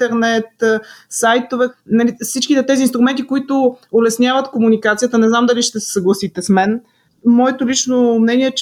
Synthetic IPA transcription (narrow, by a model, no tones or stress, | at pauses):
t̪ɛɾnɛt̪sajt̪ovɛnɐlifsit͡ʃkit̪ɛt̪ɛzinst̪ɾʊmɛnt̪ikoit̪ʊolɛsnʲjavət̪komunikat̪sijət̪ənɛznamd̪ɐliʃt̪ɛsɛ̥sɐɡlˠɐsit̪ɛsmɛn | mɔɛt̪ʊlit͡ʃnomnɛnʲiɛt͡ʃ